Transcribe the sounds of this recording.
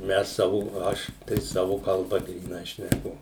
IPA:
ˈmʲɛs ˈsɑːʋʊ ˈɐʃ tɐɪ ˈsɑːʋʊ kɐlˠˈbɐ ɡrʲiːˈnɐɪ ʃʲnʲɛˈkʊ

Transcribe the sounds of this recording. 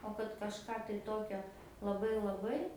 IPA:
oː kɐt kɐʃˈkɑː tɐɪ ˈtoːkʲoː lˠɐˈbɐɪ lˠɐˈbɐɪ

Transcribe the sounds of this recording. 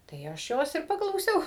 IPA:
tɐɪ ˈɐʃ ˈjoːs ɪr pɐklˠɐʊˈsʲɛʊ

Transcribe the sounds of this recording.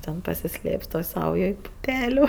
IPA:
tʲɛn pɐsʲɪˈsʲlʲeːps toːj ˈsɐʊjoːj pʊˈpʲæːlʲʊ

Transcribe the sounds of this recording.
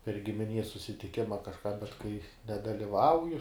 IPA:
pʲɛr ɡʲɪmʲɪˈnʲiɛs sʊsʲɪtʲɪˈkʲɪmɐ kɐʃˈkɑː bʲɛt kɐɪ nʲɛdɐlʲɪˈʋɐʊjʊ

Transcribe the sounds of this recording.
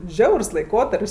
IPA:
ˈʒʲɛʊrs lˠɐɪˈkoːtɐrʲpʲsʲ

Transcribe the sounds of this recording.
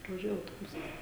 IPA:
prɐʋɐˈʒʲuɔjɛ ɐʊtoːˈbʊsɐs

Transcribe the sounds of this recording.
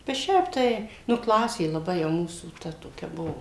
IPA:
bʲɛt ˈʃʲɛɪp tɐɪ ˈnʊ ˈklˠɑːsʲeː lˠɐˈbɐɪ jɛʊ ˈmuːsuː ˈtɐ toːˈkʲɛ ˈbʊʋoː

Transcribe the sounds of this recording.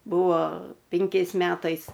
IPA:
ˈbuːʋoː ˈpʲɪŋʲkʲɛɪs ˈmʲæːtɐɪs

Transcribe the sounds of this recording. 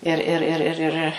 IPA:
ɪr ˈɪr ˈɪr ɪr

